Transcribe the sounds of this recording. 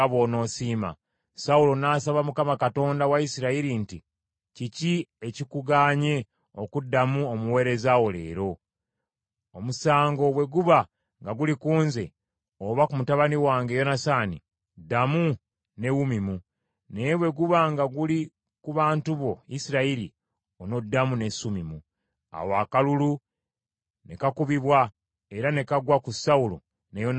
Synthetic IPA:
βo̞no̞ːsiːma̰ | saulo̞naːsaβamukamakato̞ːndawaisiɾaiɾinti | ciciecikuɡaːɲe̞ | okudːamuomuwe̞ːɾe̞zawole̞̰ːɾo̞ | omusaːŋɡo̞βwe̞ɡuβa | ŋɡaɡulikuːnze̞̰ | oβakumutaβaniwaːŋɡe̞jo̞nasaːnḭ | damu | ne̞wumimu | neβwe̞ɡuβaŋɡaɡuli | kuβaːntuβo̞isiɾailḭ | ono̞dːamune̞sumimu | a̰wakalulu | ne̞kakuβiβwa | e̞ɾane̞kaɡwakusaulo̰ | nejon

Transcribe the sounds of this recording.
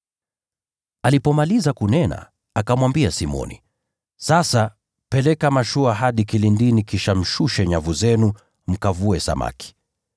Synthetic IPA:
alipɔmalizakunɛna̰ | akamwambiasimɔ̰nḭ | sasa | pɛlɛkamaʃuaɦaɗikilindinikiʃam̩ʃuʃɛɲavuzɛnu | m̩kavuɛsa̰ma̰ki̥

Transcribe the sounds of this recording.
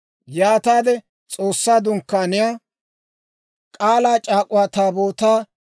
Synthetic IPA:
jaːt̪aːd̪ɛ | t͡sʼoːsːaːd̪ʊŋkːaːnɪjaː | kʼaːlaːt͡ʃʼaːkʼʊwaːt̪aːboːt̪aː

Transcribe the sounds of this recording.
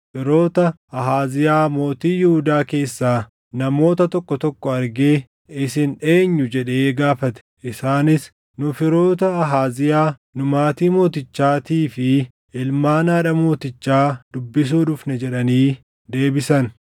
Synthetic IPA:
fɪɾo̞ːt̪ɐʔɐɦaːzɪjaːmo̞ːt̪iːjʊhʊd̪aːke̞ːsːaː | nɐmo̞ːt̪ɐt̪ɔkːɔt̪ɔkːɔɐɾɡe̞ː | ɪsɪnᶑe̞ːɲːʊd͡ʒɛᶑe̞ːɡaːfɐt̪ɛ̥ʔɪsaːnɪs | nʊfɪɾo̞ːt̪ɐɐɦaːzɪjaː | nʊmaːt̪iːmo̞ːt̪ɪt͡ʃːaːt̪iːfɪ | ɪlmaːnaːᶑɐmo̞ːt̪ɪt͡ʃːaːd̪ʊbːɪs̬uːᶑʊfnɛd͡ʒɛᶑɐniː | d̪e̞ːbɪsɐn

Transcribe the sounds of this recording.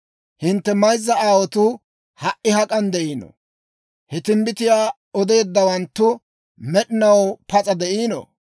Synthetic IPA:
hɪnt̪ːɛmɐjzːɐaːwɔt̪ʊ | hɐʔɪhɐkʼɐnd̪ɛʔiːnɔ̰ | hɛt̪ɪmbɪt̪ɪjaː | ɔd̪e̞ːd̪ːɐwɐnt̪ːʊ | mɛɗɪnɐwpɐt͡sʼɐd̪ɛʔiːno̰

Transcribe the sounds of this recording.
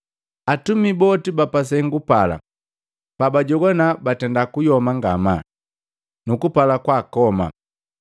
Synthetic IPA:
atumibɔtibapas̬ɛŋɡupala̰ | pabaɟɔɡɔnabatɛndakujɔmaŋɡama | nukupalakwakɔma̰

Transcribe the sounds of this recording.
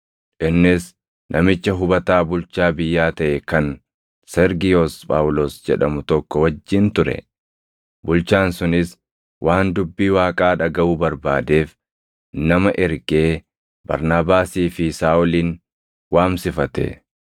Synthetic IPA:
ʔɪnːɪs | nʔɐmɪt͡ʃːɐɦʊbɐt̪aːbʊlt͡ʃaːbɪjːaːt̪ɐʔɛkɐn | sɛɾɡɪjoːspʼa̰ːwʊloːsd͡ʒɛᶑɐmʊt̪ɔkːɔwɐd͡ʒːɪnt̪ʊɾɛ̰ | bʊlt͡ʃaːnsʊnɪs | wʔaːnd̪ʊbːiːwaːkʼaːᶑɐɡɐʔuːbɐɾbaːd̪e̞ːf | nɐmɐʔɛɾɡe̞ː | bɐ̰ɾnaːbaːsiːfɪsaːʔʊliːn | waːmsɪfɐt̪ɛ̰

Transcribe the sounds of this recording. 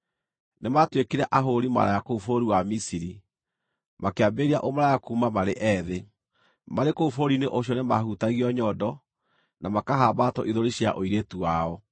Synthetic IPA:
nematwekeɾɛʔaɦoɾima̰ɾa̰jakoufoɾiwamisiɾi | makeabeɾiaʔomaɾajakuːmamaɾeʔɛːðe | maɾekoufoɾineʔoɕ̬jɔnema̰hutaɣiɔɲɔdɔ | namakaɦaːbatɔ̰ʔiðoɾiɕja̰ʔoiɾetuwaɔ

